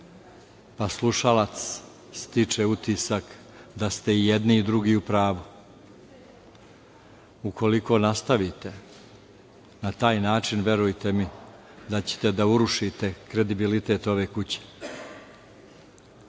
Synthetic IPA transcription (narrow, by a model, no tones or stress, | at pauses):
paslˠuʃalat̪s | st̪it͡ʂeut̪isak | d̪ast̪e̞ijed̪niːd̪ɾuɡiːupɾaːʋu | uko̞liko̞ːnast̪aʋit̪e̞ | nat̪aːjnaːt͡ʂinʋje̞ɾujt̪e̞mi | d̪at͡ɕe̥t̪e̞d̪auɾuʃit̪e̞kɾe̞d̪ibilit̪e̞ːt̪o̞ʋe̞ːkut͡ɕe̥